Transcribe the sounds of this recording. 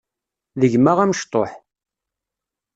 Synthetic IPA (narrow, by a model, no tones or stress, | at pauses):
ðəʝmaʁæməʃt̪ˤoħ